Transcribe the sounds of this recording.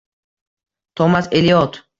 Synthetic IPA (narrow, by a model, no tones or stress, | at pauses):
t̪ʰɔmaselijɔt̪ʰ